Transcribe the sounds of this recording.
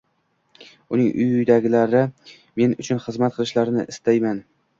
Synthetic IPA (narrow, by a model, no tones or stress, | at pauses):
ʊnɪŋʊ̰jʊjd̪aɡʲɪlaɾɪ | me̞nʊt͡ʃʰʊnχɨzmat̪̚qʰɨlˠɪʃlaɾnɪ̰ʔɪst̪ajman